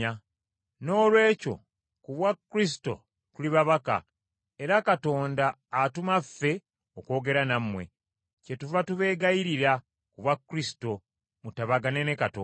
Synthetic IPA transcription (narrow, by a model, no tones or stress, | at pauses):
a | no̞ːlwe̞ːco̞̰ | kuβwakːɾis̬i̥to̞̰ | tuliβaβaka̰ | eɾakato̞ːndaː | tumafːe̞ | okwo̞ːɡe̞ɾanamwe̞̰ | ce̞tuvatuβe̞ːɡajiɾiɾa | kuβwakːɾisi̥to̞ | mutaβaɡanenekato̰